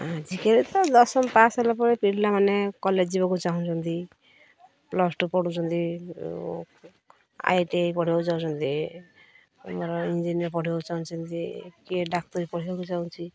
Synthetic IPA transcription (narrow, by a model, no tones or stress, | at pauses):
ad͡ʒikeɾit̪ɔd̪ɔsɔmpasalɔpɔɾepiɾlamanekɔleibɔkut͡ʃaɦũt͡ʃʰɔnt̪i | plɔsʈupɔɽut͡ʃʰɔnt̪ḭ | a̰jʈeipɔɽ̤ibad͡ʒawt͡ʃʰɔnt̪i | mɔɾɔind͡ʒinijɔɾpɔɽ̤ibat͡ʃaũnt͡ʃʰɔnt̪ikiɖak̚t̪ɔɾipɔɽ̤ibɔkut͡ʃaw̃t͡ʃʰi